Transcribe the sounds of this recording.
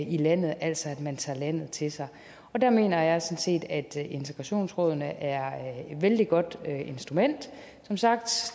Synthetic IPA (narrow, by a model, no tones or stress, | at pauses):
ilæn̰ð̩ˠæl̰sɒ̽æd̥mænt͡sʰɑ̰̈ːlæn̰ð̞̩ˠt͡sʰe̝lsɑ̈ɪ | ɒ̽d̥æɐme̝̰ːnɐjɑ̈ɪsɒ̽nse̝̰ːd̥æd̥e̝nt͡sʰeɡ̥ʁɑ̈ɕo̝̰ːnsʁɔːð̞ˠnəʔæɐed̥ʋeld̥iɡ̥ɒ̽d̥øe̝nsd̥ʁumen̰d̥ | sɒ̽msɑ̈ɡ̥̚d̥